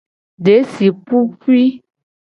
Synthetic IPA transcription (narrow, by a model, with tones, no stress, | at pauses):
ɖe˨˦si˨pu˦fi˦